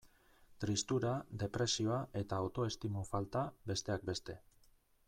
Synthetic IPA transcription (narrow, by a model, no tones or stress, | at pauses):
t̪ɾist̪uɾad̪e̞pɾe̞sio̞ae̞t̪aːwt̪o̞e̞st̪imufalt̪abe̞st̪e̞ak̚be̞st̪e̞